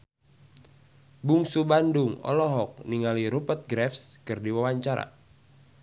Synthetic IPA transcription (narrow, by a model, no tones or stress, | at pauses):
buŋsubandʊŋɔ̰lɔɦɔk̚niŋaliɾupət̪̚ɡɾɛfskɨrdiwawaɲt͡ʃaɾa̰